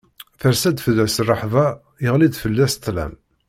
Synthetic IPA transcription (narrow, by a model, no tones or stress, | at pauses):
θəɾsæd̪fəðæsrˤːɑħðˤɑ | jəʁlid̪fəlːæst̪læ̰m